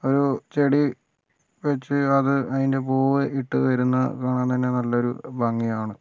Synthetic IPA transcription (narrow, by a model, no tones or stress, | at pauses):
o̞ɾut͡ɕe̞ɽi | ʋet͡ɕːɨɐðɨɐðinde̞poːʋɨʔiʈːɨʋɐɾunːɐ̰kaːɳaːnt̪ɐnːe̞nɐlːɐo̞ɾṵbɐŋːijaːɳɨ